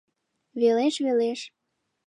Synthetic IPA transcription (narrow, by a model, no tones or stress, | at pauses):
βeleʃβeleʃ